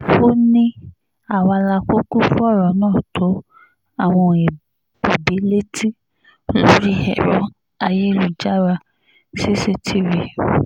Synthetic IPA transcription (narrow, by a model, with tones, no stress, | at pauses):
o˦nĩ˦ | a˦˨wa˧la˧ko˦ku˦fu˦ɔ˦˨ɾɔ˨˦nãː˦˨tʰo˨˦ | a˦˨w̃ɔ̃˧ɛ˨ | o˨bi˨˦le˦ti˦ | lo˦ɾi˦ɛ̰˨ɾɔ˨˦ | a˧je˦lu˨d͡ʒa˦ɾa˧ | si˦se˦tʰi˦ɾe˧˨